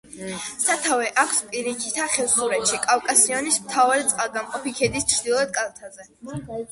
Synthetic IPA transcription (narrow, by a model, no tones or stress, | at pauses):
sat̪ʰavɛʔakʰspʼiɾikʰi̥t̪ʰaχɛlsuɾɛt̪ʃikʼawkʼasiɔnismt̪ʰavaɾɛt̪sʼqʼalɡamqʼɔpikʰɛd̪ist͡ʃʰɾd̪ilˠɔɛt̪̚kʼalˠt̪ʰazɛ